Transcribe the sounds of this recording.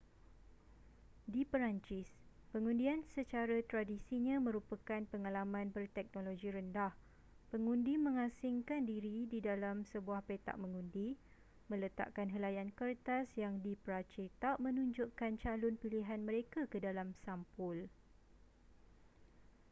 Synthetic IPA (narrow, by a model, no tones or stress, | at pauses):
dipəɾaɲt͡ʃɪspəŋũndiansət͡ʃaɾat̪ɾadisiɲãmə̃ɾupakanpəŋãlamãnbərt̪ɛk̚noloɡiɾəndah | pəŋũndimə̃ŋãsɪŋkandiɾididalamsəbuahpet̪a̰ʔməŋũndi | mə̃lət̪a̰ʔkanɦəlajankərt̪asjaŋdipəɾat͡ʃet̪aʔmə̃nũɲd͡ʒʊʔkant͡ʃalɔnpiliɦanmə̃ɾekakədalamsampʊl